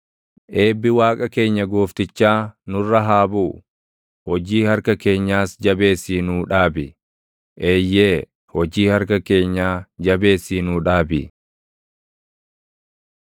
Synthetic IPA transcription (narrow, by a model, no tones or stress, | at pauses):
ʔe̞ːbːɪwaːkʼɐke̞ːɲːɐɡoːft̪ɪt͡ʃːaːnʊrːɐɦaːbuː | hɔd͡ʒiːhɐɾkɐke̞ːɲːaːsd͡ʒɐbe̞ːsːiːnuːᶑaːbɪ | ʔeːjːeː | hɔd͡ʒiːhɐɾkɐke̞ːɲːaːd͡ʒɐbe̞ːsːiːnuːᶑaːbɪ